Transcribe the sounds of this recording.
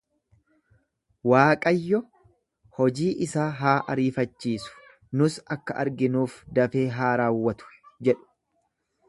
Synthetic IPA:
waːkʼɐjːɔ | hɔd͡ʒiːʔɪsaːɦaːʔɐɾiːfɐt͡ʃːiːsʊ̥ | nʊsɐkːɐʔɐ̰ɾɡɪnuːfd̪ɐfe̞ːɦaːɾaːwːɐt̪ʊ̥d͡ʒɛᶑʊ̥

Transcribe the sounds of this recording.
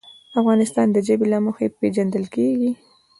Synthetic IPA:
afɣɑnɪst̪ɑnd̪əd͡ʒəbelaməxeped͡ʒand̪əlkeɡi

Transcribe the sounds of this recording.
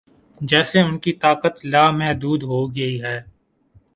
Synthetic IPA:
d͡ʒɛːseʊnkit̪aːkət̪laːmɛɦd̪uːd̪ɦoɡɐiɦɛː

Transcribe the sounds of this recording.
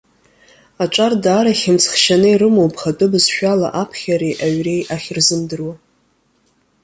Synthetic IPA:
aʈ͡ʂʷʼardaːɾaχʲɪmt͡sʰχʃanɨiɾɨmowpʰχatʼɨbɨzʃᶣala̰ʔapʰχʲaɾejʔaɥrejaχʲrzɨmdɨrwa

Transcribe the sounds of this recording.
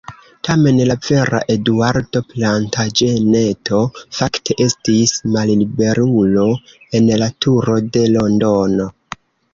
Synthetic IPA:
tame̞nlave̞ɾa̰ʔe̞duaɾto̞plantad͡ʒe̞ne̞tʰo̞faktʰe̞ʔe̞stismallibe̞ɾulo̞ | e̞nlatʰuɾo̞de̞lo̞ndo̞no̞

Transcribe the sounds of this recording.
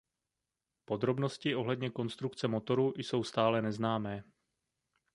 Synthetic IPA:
po̞d̪ɾo̞bno̞scɪʔo̞ɦlɛdɲɛko̞nst̪ɾukt͡sɛmo̞t̪o̞ɾujso̞wst̪aːlɛnɛznaːmɛː

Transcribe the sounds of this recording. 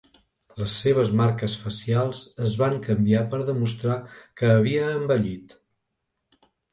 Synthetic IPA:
ləsːeβ̞əzmaɾkəsfəsialˠzəzβaŋkəmbiapəɾðəmust̪ɾakəːβ̞iəːmbəʎit̪

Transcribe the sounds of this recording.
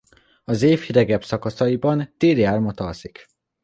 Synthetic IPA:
ɒzeːfhid̪ɛɡɛbsɒkɒsɒibɒnt̪eːliaːrmɒt̪ɒsik

